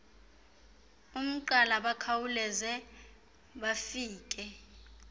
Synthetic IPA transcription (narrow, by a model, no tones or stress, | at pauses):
um̩ǃalaɓakʰawulɛzɛ | ɓafiːk̬ʼɛ